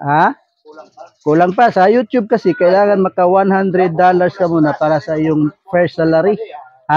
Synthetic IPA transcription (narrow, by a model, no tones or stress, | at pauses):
haː | kʊlaŋpasajut̪jʊb̚kɐsɪkɐʔɪlaːŋanmɐkawanhand̪ɾɛd̪ːalaɾskɐmunapaːɾasɐʔɪjʊŋfɛɹsalaɾi | a